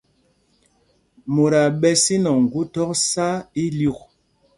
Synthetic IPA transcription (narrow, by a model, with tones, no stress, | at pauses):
mo˨ɾa˨ɓɛ˦si˦nɔ˨ŋ˨ɡu˦tɔ˦k̚sa˦i˦lu˦˨k̚